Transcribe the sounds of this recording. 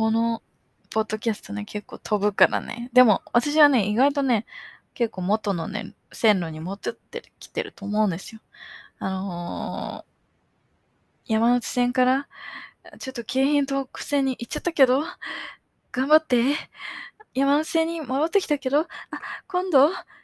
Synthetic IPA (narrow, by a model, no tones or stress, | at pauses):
ko̞no̞ | po̞d̪ːo̞kʲasɨ̥t̪o̞ne̞kʰe̞kːo̞̰ːt̪ʰo̞bɯ̟kaɾa̰nḛd̪e̞mo̞βat̪aɕ̬iβane̞iɡait̪o̞ne̞ | ke̞kːo̞ːmo̞t̪o̞no̞nḛ | sẽ̞nɾoɲ̟imot̪ot̪ːḛkʲi̥t̪e̞̰ɾɯ̟t̪o̞ːmo̞ɯ̟̃nd̪e̞sɨ̥jo̞ano̞ | jamano̞t͡ɕi̥sẽ̞ŋkaɾa | t͡ɕo̞t̪ːo̞kʰe̞ːɦĩnt̪o̞kɯ̟̥se̞ɲ̟ːiʔit͡ɕːat̪ːake̞d̪o̞ | ɡ̥ãmbat̪ːe̞ | jamanot͡ɕi̥sẽ̞ɲ̟ːimoɾot̪ːe̞kʲi̥t̪ake̞d̪o̞akõ̞nd̪o̞